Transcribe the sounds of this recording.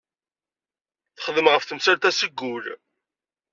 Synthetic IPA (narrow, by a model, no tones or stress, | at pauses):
θə̥χəðəmʁəfθəmsæɾt̪æsəɡːul